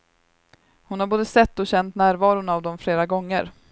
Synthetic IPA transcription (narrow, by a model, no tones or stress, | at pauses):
hʊnhaɾboːd̪əsɛt̪ːɔɕɛnt̪næːɾvɑːɾʊnavd̪ɔmfleːɾaɡɔŋːə̰ɾ